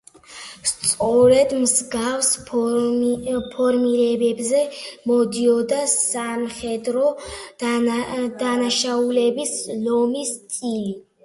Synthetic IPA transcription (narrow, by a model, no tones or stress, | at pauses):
st̪sʼɔɾɛd̪mzɡafs | pʰɔɾmiɾɛbɛbzɛmɔd̪iɔd̪asamχɛd̪ɾɔ | d̪̥anaʃaulɛbislɔmist̪ʼili